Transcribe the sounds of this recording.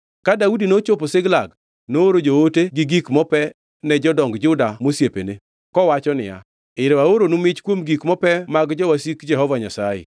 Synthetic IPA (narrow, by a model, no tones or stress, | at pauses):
kadaudinot͡ʃoposɪɡlaɡ | nooɾod͡ʒooteɡɪɡikmɔpɛ | nɛd͡ʒɔdɔŋɡd͡ʒʊdamosjepḛne | kɔwat͡ʃɔnɪja̰ | ɪɾewaoɾonʊmɪt͡ʃkwomɡikmɔpɛmaɡd͡ʒɔwasikd͡ʒɛɦɔvaɲasajḛ